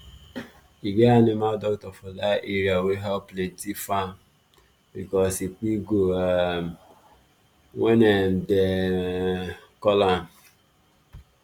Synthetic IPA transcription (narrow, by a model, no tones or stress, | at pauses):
iɡeanɪmaldɔktɔfɔdaʔeɾiaweɦɛlpletifa | bikɔsipiɡoa | ŋenen̩de | kɔlam